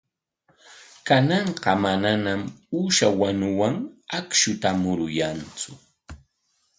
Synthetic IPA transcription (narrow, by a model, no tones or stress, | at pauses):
kanɑɴqɑmananamuʃawanʊwaŋakʃʊt̪amʊɾʊjant͡sʊ